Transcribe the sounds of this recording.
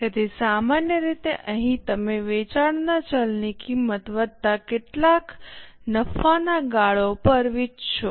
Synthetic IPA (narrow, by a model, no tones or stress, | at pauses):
kət̪ʰisamanjəɾit̪eʔəɦĩt̪əmeʋet͡ʃaɽnat͡ʃəlnikimːət̪ʋəd̪̚t̪akeʈlaknəfanaɡaɭopəɾʋit͡ʃt͡ʃʰo